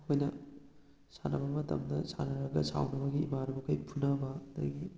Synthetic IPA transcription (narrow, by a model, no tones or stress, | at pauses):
hojnɐ | sa̰nɐbɐmɐtɐ̰mdɐ̰sa̰nɐɾɐɡɐ̰sa̰wnɐbɐɡiːmaɾubɐkʰɐjpʰunɐbɐɐd̪ɐ̰ɡi